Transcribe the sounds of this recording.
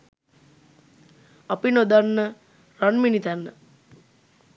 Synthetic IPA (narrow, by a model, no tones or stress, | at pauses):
apinod̪anːə | ɾanminit̪ænːə